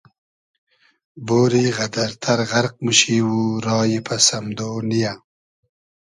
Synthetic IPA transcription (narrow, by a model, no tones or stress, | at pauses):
boːɾiɣad̪aɾt̪ʰaɾɣaɾq̚muʃiːwuɾɑːjipasamd̪onija